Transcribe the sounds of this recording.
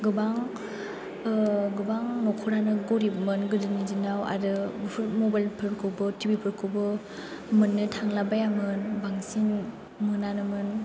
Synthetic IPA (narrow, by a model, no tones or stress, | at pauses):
ɡɯbaŋ | ɡɯbaŋnɔkʰuɾanɯɡoɾibmɯnɡɯdɯnidinawa̰dɯbpʰɾmobajlpʰɯɾkʰɯbɯtʰibipʰɯɾkʰɯbɯ | mɯnːɯtʰaŋlabajamɯnbaŋsin | mɯnanɯmɯn